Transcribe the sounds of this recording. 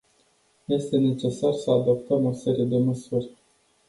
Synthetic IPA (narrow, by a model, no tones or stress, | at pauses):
je̞st̪e̞ne̞t͡ʃe̞sarsəad̪o̞p̚t̪əmo̞se̞ɾije̞d̪e̞məsurʲ